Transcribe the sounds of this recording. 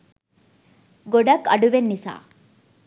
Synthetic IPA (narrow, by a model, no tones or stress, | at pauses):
ɡoɖɐkːɐ̰ɖuʋenːisa̰ː